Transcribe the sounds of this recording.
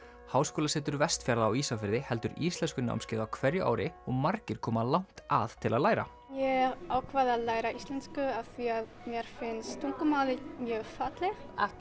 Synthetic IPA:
haːwskoːlasɛːt̪ʏɾvɛst̪fjaɾðaːwisafɪɾðɪhɛl̪t̪ʏɾist̪lɛnskʏna̰wmscɪːðawkʰvɛɾjʏʔa̰ːwɾɪɔɣmaɾcɪɾ̥kʰɔːmalawn̥t̪aðt̪ʰɪlaðlaːjɾa̰ | jɛɣaːwkʰvaːðaðlaːjɾaist̪lɛnskʏaðθviaðmjɛɾ̥fɪnst̪ʰuŋkʏmawðɪmjœːfat̪lɛxt̪at

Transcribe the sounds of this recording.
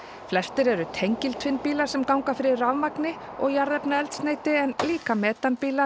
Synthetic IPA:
flɛst̪ɪɾɛɾʏt̪ʰejɲcɪlt̪ʰvɪnpiːlaɾ̥sɛmkawŋkafɪɾɪravmaknɪ | ɔɣjaɾðɛpnaɛlt̪sneːjt̪ɪɛnliːkamɛːt̪anpiːla

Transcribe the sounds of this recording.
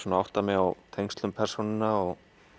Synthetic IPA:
sɔːnaawht̪amɛɣawt̪ʰejŋst̪lʏmpʰɛr̥sunɪnaɔɣ

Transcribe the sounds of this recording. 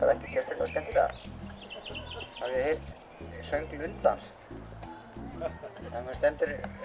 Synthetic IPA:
a̰ɾɛhcɪ̥sɛɾst̪ʰɪla̰st̪ɛnt̪ɪθa̰ | havjɛhejr̥t̪ | sœɥŋklʏnt̪la̰ns | akɛst̪ɛnt̪ʏɾ

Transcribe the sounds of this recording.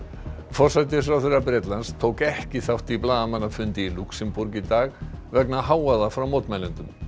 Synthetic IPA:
fɔr̥sajt̪̬ɪfɾawθeɾapɾɛt̪lanst̪ʰoːwkɛhcɪθawht̪iplaːðamanafʏnt̪ɪiluksɪmpuɾcit̪aːɣvɛknahaːwaðafɾawmowt̪majlɪnt̪ʏm

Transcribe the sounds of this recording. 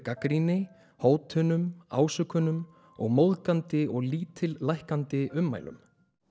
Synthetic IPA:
kakɾinɪ | hoːwt̪ʰʏːnʏma̰ːwsʏkʰːʏnʏm | ɔɣmowðkant̪ɪɔɣliːt̪ʰɪlːajhkant̪ɪʔʏmːa̰ːjlʏ̰m

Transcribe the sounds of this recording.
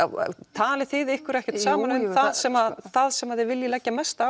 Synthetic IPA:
t̪ʰaːlɪθɪðɪhkʏɾɛhcɛɾt̪saːmanʏnθaðsɛmaðθaðsɛmaðɪvɪljɪlɛːcːamɛst̪a

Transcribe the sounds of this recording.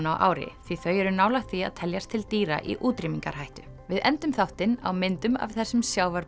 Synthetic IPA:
nawʔa̰ːwɾɪ̰θviθœːɥjɛɾʏnaːwlaht̪ʰvia̰ðt̪ʰɛljast̪ʰɪlt̪iːɾa̰ʔḭʔuːt̪ɾimiŋka̰ɾ̥hajht̪ʏ̥ | vɪðɛnt̪ʏmθaht̪ɪna̰wmɪnt̪ʏma̰v̥θɛsːʏmsjaːwvaɾ

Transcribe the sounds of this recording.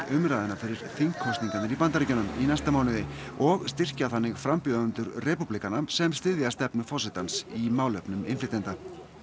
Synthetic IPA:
ʏmɾaːðɪnafɪɾːɪɾ̥θiŋkʰːɔwst̪niŋkanɪɾipant̪aɾicʏnʏminajst̪amaːwnɪðɪɔɣst̪ɪr̥caθanːɪɣfɾampʏðaʏnt̪ʏɾrɛpuplikanasɛmst̪ɪðjast̪ɛpnʏfɔsɪt̪ansimaːwlœpnʏmɪ̰nflɪt̪ɛnt̪a

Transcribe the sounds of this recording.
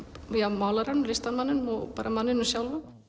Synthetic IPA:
jamawlaɾanmlɪst̪anmanːɪnmɔpaɾamanːɪnːʏsjawlva

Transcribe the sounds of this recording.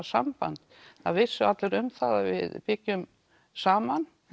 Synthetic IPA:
sampa̰nt̪ | θa̰ðvɪsːʏat̪lɛɾʏmθaðavɪ̰ðpɪcːʏm | saːman

